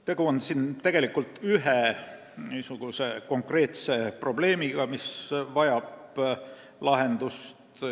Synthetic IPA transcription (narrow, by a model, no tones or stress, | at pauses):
t̪e̞ɡ̥uonsint̪e̞ɡ̥e̞likːˑult̪ːyɦe | niːsuɡ̥use̞ko̞ŋkre̞ːt̪se̞pro̞b̥le̞ːmiɡ̥ɑmisvɑjɑb̥ | lɑɦe̞nd̪̥ust̪